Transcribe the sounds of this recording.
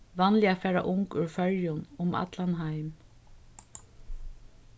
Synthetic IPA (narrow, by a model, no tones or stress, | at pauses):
ʋanlɪafɛːɹa̰ʔʊŋkʏɹfœɹjʊnʊma̰t̪lanɦaɪm